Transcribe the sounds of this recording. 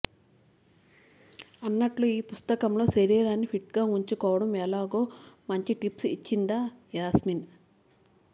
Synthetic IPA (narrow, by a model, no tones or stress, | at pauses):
ɐnːɐʈluiːpust̪ɐkɐmlo̞ːseɾiːɾaːnːipʰiʈɡaːuɲt͡ʃukɔːʋɐɽɐmɛːlaːɡo̞ːmɐɲt͡ʃiʈipsit͡ʃːind̪aːjaːsmin